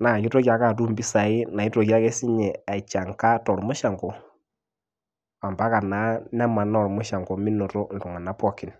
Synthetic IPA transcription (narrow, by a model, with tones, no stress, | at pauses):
na˨kɪ˦tɔ˦ka˨ka˦˨tu˦mbi˦sa˨ɪ˦na˨i˦tɔ˨ka˦kɛ˦si˦ɲɛ˨a˨t͡ʃa˨ŋka˦tɔ˨ɾmʊ˦ʃa˨ŋɡɔ˨ | a˨mba˦ka˨na˨˦nɛ˦ma˨nɔ˦˨ɾmʊ˦ʃa˨ŋɡɔ˨mi˦nɔ˨tɔ˦n̩˨du˨ŋa˨na˨˦pɔ˦kɪ˨n